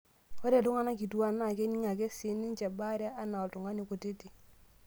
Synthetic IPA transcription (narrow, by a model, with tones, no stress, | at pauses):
ɔ˦ɾe˨dʊ˦ŋa˦na˦ki˨tu˨wa˦na˨ke˦ni˦ŋa˨ke˦si˨˦ni˦nt͡ʃa˨ba˦ɾa˦ʔa˦na˨ɔ˨tʊ˨ŋa˦ni˨ko˨te˦ti˨